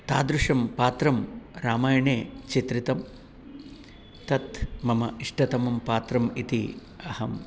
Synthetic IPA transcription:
t̪aːd̪ɾuʂɐmpaːt̪ɾɐmɾaːmaːjɐɳeːt͡ʃit̪ɾit̪ɐm | t̪ɐt̪mɐmɐiʂʈɐt̪ɐmɐmpaːt̪ɾɐmit̪i | ɐhɐm

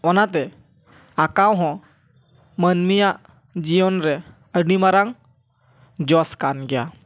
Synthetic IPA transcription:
ɔnat̪̬ɛ | akawɦɔ̃ | mənmijaʔ | d͡ʒiɔnɾɛ | əɽimaɾaŋ | d͡ʒɔskanɡɛja

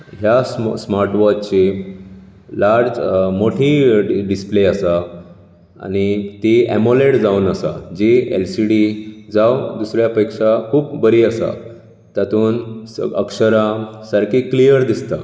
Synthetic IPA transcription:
ɦjassmaɾʈʋɔt͡ɕi | laɾd͡zmoʈʰiɖispleasa | a̰ñit̪iḛmoleʈd͡zaunəsa̰d͡ʑielsiɽid͡zawd̪usɾjapekʂakʰuːpbəɾiːasa̰ | t̪at̪uːnəkʂəɾãsəɾkiklijəɾd̪ist̪a

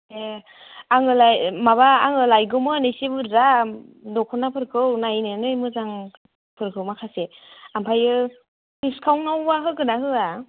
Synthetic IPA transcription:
e | aŋɯlajmaβaːŋɯlajɡɯmɯanesibɯɾzadɔkʰɔnapʰɯɾkʰɯwnajnɯnɯjmɯzaŋ | pʰɯɾkʰɯwmakʰaseampʰajɯ | piskʰawnawbaɦɯkɯnaɦɯa

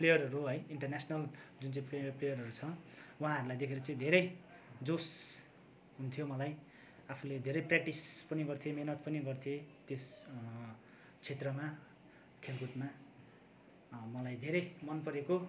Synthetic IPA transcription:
plejʌrɦʌɾuɦʌjiɳʈʌrnasʌnʌld͡zunt͡sʌĩpeplejʌrɦʌɾut͡sʰʌwɦãɦʌɾulajd̪ekʰeɾut͡sʌ̃ĩd̪ʱeɾʌj | d͡zos | ɦunt̪ʰijomʌlaj | apʰuled̪ʱeɾʌjprak̚ʈispʌniɡʌrt̪ʰijemenʌt̪̚pʌniɡʌrt̪ʰiet̪es | t͡sʰet̪rʌma | kʰelkuʈma | mʌlajd̪ʱeɾʌjmʌnpʌɾeko

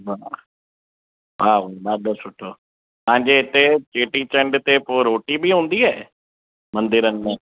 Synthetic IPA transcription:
ʋaː | ʋaːʋbaːd̪osʊʈʰːoː | pɐɦãɲd͡ʑeɪt̪et͡ʃeːʈit͡ʃə̃ɳɖt̪epoːɾoːʈibʱiɦũːnd̪iɦɛː | mɐ̃nd̪ɪɾənm̃

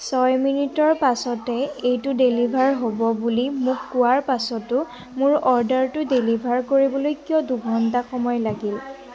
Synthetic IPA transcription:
sɔjminitɔɹpasɔtɛejtʊdelibʱaɹɦobɔbulimʊkːʊwaɹpasɔtʊ | mʊɹɔɹdaɹtʊdelibʱaɹkoɹibɔlojkijɔduɡʱɔntaxɔmɔjlaɡil

